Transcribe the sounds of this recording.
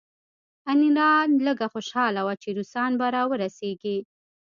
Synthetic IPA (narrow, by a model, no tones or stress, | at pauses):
aniɾɑnləɡaxoʃɑlawat͡ʃeɾusɑnbaɾɑwəɾaseɡi